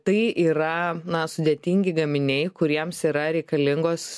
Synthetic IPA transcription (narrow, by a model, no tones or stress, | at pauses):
t̪ɐɪiːɾɐnɐsʊd̪ʲeːt̪ʲiŋʲɡʲɪɡɐmʲɪnʲɛɪkʊɾʲiɛmsiːɾɐɾʲɛɪkɐlʲɪŋɡoːs